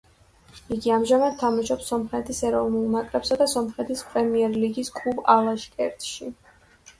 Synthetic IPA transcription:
iɡiamʒamad̪̚t̪ʰːamaʃɔpsɔmχɛt̪ʰisɛɾɔvnulˠnakʼɾɛpsad̪asɔmχɛt̪ʰispʼɾɛmiɛɾliɡiskʼlubalˠaʃkʼɛɾt̪ʼʃi

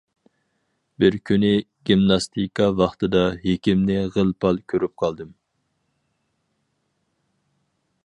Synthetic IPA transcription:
bɪɾkʲʰynɪɡʲimnɑst̪ʰikɑvɑχt̪ʰɨd̪ɑɦekʲimnɪʁəlˠpʰɑlˠkʲʰøɾyp̚qʰɑlˠd̪ɨm

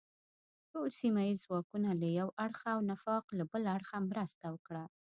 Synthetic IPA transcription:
ʈolsimajizwɑkunalajawaɽxaːwnafɑqlabəlaaɽxamɾəst̪awəkɽa

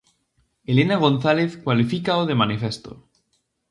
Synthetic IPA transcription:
elenaɣ̞o̞nθaleθkwalifikaoðemanifest̪o̰

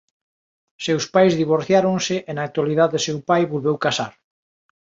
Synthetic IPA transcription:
sewspajzðiβ̞oɾθjaɾõŋsɪʔenak̚t̪waliðaðesewpajβolβewkasa̰ɾ

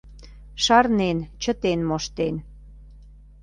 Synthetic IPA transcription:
ʃɑrnent͡ɕə̆t̪enmoʃt̪en

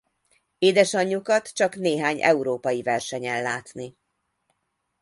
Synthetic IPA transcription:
eːd̪ɛʃɒɲːukɒt̪t͡ʃɒkneːɦaːɲʔɛ̰uɾoːpɒjivɛrʃɛɲɛlːaːt̪ni

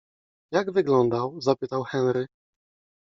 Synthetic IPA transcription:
jaɡvɘɡlɔnd̪awzapɘt̪awxɛnɾɘ

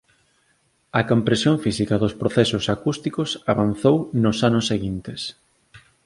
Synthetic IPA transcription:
ɐkompɾesjoŋfisikɐðʊspɾoθɛsʊsakust̪ikʊsaβanθownʊsanʊsːeɣint̪es

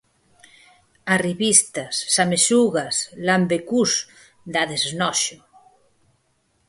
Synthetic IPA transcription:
ariβist̪asːamesuɣaslambekus | d̪aðeznɔʃo

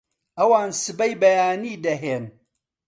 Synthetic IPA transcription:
ʔɐwaːnsɨbɐjbɐjaːniːd̪ɐɦeːn

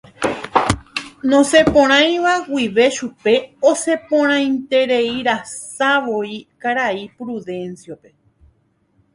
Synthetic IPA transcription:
nõsepõɾ̃ãj̃ʋawiʋe̞ʃupe̞ose̞põɾ̃ãj̃nt̪e̞ɾeiɾassaʋoikaɾaipɾuðẽ̞nsjope̞

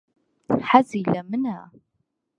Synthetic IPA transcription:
ħazilæmənæ

